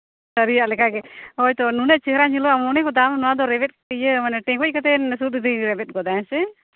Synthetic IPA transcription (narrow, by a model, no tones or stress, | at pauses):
səɾijaʔlɛkaɡɛojt̪ɔnunɛʔt͡ʃiɦɾaɲilɔamɔnɛkɔd̪amnuad̪ɔɾɛbɛt̪̚əjəmanɛʈɛ̃ɡɔc̚kət̪ɛnsut̪d̪iɾɛbɛt̚ˀɡɔd̪aɛ̃sɛ